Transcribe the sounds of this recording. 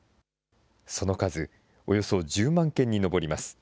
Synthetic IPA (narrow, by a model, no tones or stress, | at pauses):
so̞no̞kazɨ | o̞jo̞so̞ʑɨːmãŋkẽ̞ɲ̟ːino̞bo̞ɾʲimasɨ̥